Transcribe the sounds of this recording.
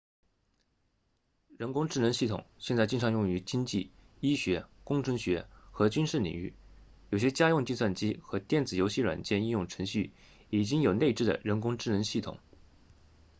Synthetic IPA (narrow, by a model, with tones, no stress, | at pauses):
ɻə˧˥nkʊ˥ŋʈ͡ʂɻ̩˥˩nə˧˥nɕi˥˩t̪ʰʊ̰˨˩˦ŋɕjɛ˥˧nt͡sa˥˧ɪt͡ɕi˥˩nʈ͡ʂʰɑ˧˥ŋjʊ˥˩ŋy˧˥t͡ɕi˥ŋt͡ɕi˥˩ | i˥ɕɥɛ˧˥kʊ˥ŋʈ͡ʂʰɤ˧˥ŋɕɥɛ˧˥xɤ˧˥t͡ɕy˥nʂɻ̩˥˩nlḭ˨˩ŋy̰˥˩ | jo˨˩ʊɕ̬jɛ˥t͡ɕja˥jʊ˥˧ŋt͡ɕi˥˧swa˥˩nt͡ɕi˥xɤ˧˥t̪jɛ˥˩nt͡sɹ̩˨˩jo˧˥ʊɕi˥ɻwa̰˨˩nt͡ɕjɛ˥˧ni˥˧njʊ˥˩ŋʈ͡ʂʰɤ˧˥ŋɕy˥˩ | i˨˩t͡ɕi˥ŋjo˨˩ʊne˥˧ɪʈ͡ʂɻ̩˥˩d̪ə̰˩ɻə˧˥nkʊ˥ŋʈ͡ʂɻ̩˥˩nə˧˥nɕi˥˩t̪ʰʊ̰˨˩˦ŋ